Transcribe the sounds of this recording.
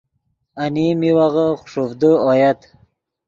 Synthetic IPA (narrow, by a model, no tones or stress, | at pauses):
animiwaʁəχʊʂofd̪əɔjat̪